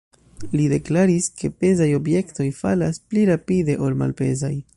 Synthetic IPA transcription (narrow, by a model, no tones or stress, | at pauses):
lide̞klaɾiske̞pe̞zajo̞bje̞kto̞jfa̰laspliɾapide̞ʔo̞lma̰lpe̞̰zaj